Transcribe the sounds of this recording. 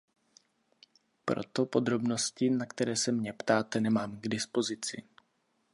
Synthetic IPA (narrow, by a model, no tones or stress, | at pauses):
pɾo̞̰t̪o̞po̞d̪ɾo̞bno̞scɪnakt̪ɛɾɛːsɛmɲɛpt̪aːt̪ɛnɛmaːmɡdɪspo̞zɪt͡sɪ̰